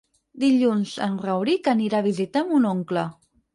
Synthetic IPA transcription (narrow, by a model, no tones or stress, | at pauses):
d̪iʎunzə̰nrəwɾikəniɾaβ̞izit̪amunoŋklə